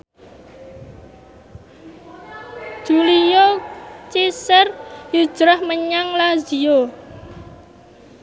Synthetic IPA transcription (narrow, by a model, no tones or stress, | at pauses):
d̥ʒ̥ulijot͡ʃisərju̥ʒ̥ɾahməɲaŋlazio